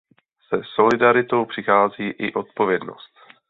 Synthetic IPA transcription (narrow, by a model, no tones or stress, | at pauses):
sɛso̞lɪdaɾɪt̪o̞wpr̝̥ɪxaːziːʔɪʔo̞t̪̚po̞vjɛdno̞̰st̪